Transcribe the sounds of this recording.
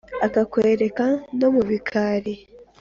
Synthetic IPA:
akakweːɾe̞kano̞muβikʰaɾi

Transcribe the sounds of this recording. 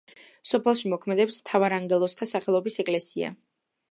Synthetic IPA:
sɔpʰɛlˠʃimɔkʰmɛd̪ɛpsmt̪ʰavaɾaŋɡɛlˠɔst̪ʰasaχɛlˠɔbisɛkʼlɛsia̰

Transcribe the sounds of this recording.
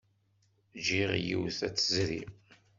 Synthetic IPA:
d͡ʒiʁjiwθæt͡sːəzɾi

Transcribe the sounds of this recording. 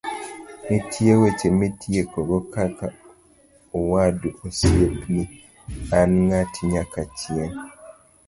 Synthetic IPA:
mitʰiewecemitʰjekoɣokaka | owaduosiepni | anŋatʰiɲakacien

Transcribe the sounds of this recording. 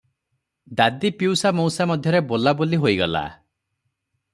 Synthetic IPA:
d̪ad̪ipiwsamowsamɔd̪ʱjɔɾebolaboliɦoiɡɔla̰

